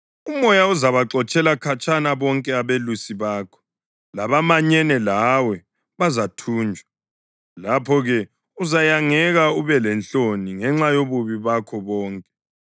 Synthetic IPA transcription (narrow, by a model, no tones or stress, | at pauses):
umɔjauzaβaǁɔt͡ʃʼɛlakʰat͡ʃʼanaβɔŋkʼɛaβelusiβaːkʰɔ̥ | laβamaɲɛnɛlawɛ | βazatʰuːnd͡ʒʱwa | lapʰɔɣɛ | uzajaŋɛɣauβɛlɛnt͡ɬoniŋɛŋ͡ǁajoβuβiβakʰɔβɔːŋkʼɛ̥